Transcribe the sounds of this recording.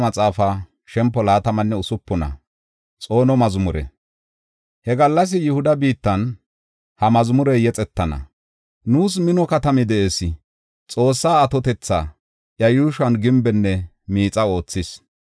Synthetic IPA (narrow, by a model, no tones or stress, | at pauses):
mɐt͡sʼaːfa | ʃɛmpːɔlaːt̪ɐmɐnːɛʊsʊpːɔnɐ̰ | t͡sʼo̞ːnɔmɐzʊmʊɾɛ̰ | hɛɡɐlːɐs̬ɪjɪhʊd̪ɐbiːt̪ːɐn | hɐmɐzʊmʊɾɛjɛt͡sʼɛt̪ːɐnɐ̰ | nuːs̬mɪnɔkɐt̪ɐmɪd̪ɛʔeːsɪ | t͡sʼo̞ːsːaːɐt̪ɔt̪ɛt͡sːa̰ | ʔjɐjuːʃɐnɡɪmbɛnːɛ | miːt͡sʼɐo̞ːt͡sːɪs